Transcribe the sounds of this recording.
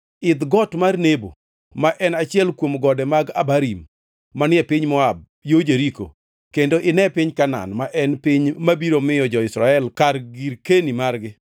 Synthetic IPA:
ɪd̪ɡɔtmarnebo̰ | maʔɛnat͡ʃɪɛlkwomɡɔdɛmaɡa̰baɾimː | anɪɛpɪɲmɔab̚ | jod͡ʒeɾiko̰ | kendoʔɪnɛpɪɲkana̰nmaʔɛnpɪɲmabiɾomɪjɔd͡ʒɔɪsɾaɛlkarɡiɾkenimarɡɪ

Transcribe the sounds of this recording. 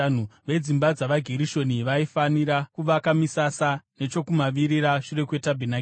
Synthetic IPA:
n̤uʋe̞d͡zimbad͡zaʋaɡʱeɾiʃo̞niʋaifaniɾakuʋakamisasane̞t͡ʃo̞kumaʋiɾiɾaʂure̞kwe̞tabʱinak

